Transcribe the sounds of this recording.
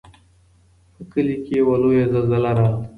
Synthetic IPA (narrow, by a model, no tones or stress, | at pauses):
pəkəlikewalojezalzəlaɾa